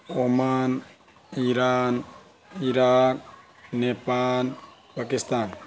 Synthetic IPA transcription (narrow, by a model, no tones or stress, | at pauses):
oman | iɾan | iɾak̚ | nepan | pakist̪an